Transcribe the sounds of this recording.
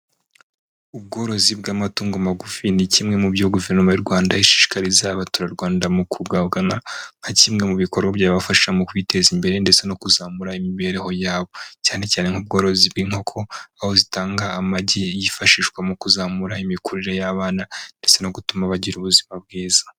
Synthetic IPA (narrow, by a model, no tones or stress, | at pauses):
ub̚ɡo̞ːɾo̞zibɡaːmatuːŋɡomaɡufinicimŋe̞mubjoɡuve̞ɾnomajuɾɡwaːndajiʃi̥ːʃi̥kaɾizaβatuɾaɾɡwaːndamukʰuɡaβɡanaŋ̥hacimŋe̞muβiko̞ɾɡabɟaːββafaʃi̥ʃamukwite̞zimbe̞ɾe̞nde̞t͡se̞no̞kuzaːmuɾaimiβe̞ɾeho̞jaːβo̞caːne̞caːne̞ŋ̥ub̚ɡo̞ːɾo̞zibɡiːŋ̥ho̞kʰo̞aho̞zitaːŋɡaːmaɟejifaʃiːʃkwamukuzaːmuɾaimikuɾiɾejaβaːnande̞t͡se̞no̞ɡutumaβaɟiɾuβuzimab̚ɡiːza